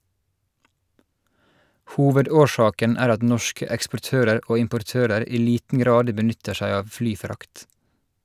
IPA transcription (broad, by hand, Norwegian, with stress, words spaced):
ˈhuːʋəˌdoːˌʃɑːkən ˈæːɾ ˈɑt ˈnɔʃkə ɛkspɔˈʈøːɾəɾ ˈʔoː ɪmpɔɾˈtøːɾəɾ ˈiː ˈliːtn̩ ˈɡɾɑːd bəˈnʏtə ˈʃæɪ ˈɑːʋ ˈflyːˌfɾɑkt